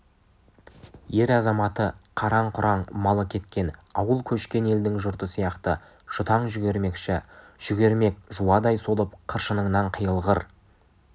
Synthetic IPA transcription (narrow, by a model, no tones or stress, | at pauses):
je̞ɾɑzɑmɑt̪əqʰɑɾɑɴqʰʊɾɑɴmɑlˠəkʲʰe̞t̪kʲe̞nɑwəlˠkʲʰɵʃkʲe̞ne̞ld̪ɪŋʒʊɾt̪əsijɑqt̪ə | ʃʊt̪ɑɴʒʏɡʲe̞ɾme̞kʃɪ | ʒ̥ʏɡʲe̞ɾme̞kʒuɑd̪ɑjso̞lˠəp̚qʰəɾʃənəɴnɑɴqʰəjəlˠʁəɾ